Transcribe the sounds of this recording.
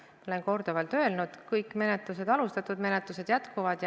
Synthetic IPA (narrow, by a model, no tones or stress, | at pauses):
olenko̞rd̪̥ovɑlt̪ø̞ːlnud̪̥kɤjkːˑme̞net̪luse̞d̪ɑlust̪ɑt̪ːˑud̪̥me̞ne̞t̪luse̞d̪jæt̪kuvɑd̪̥j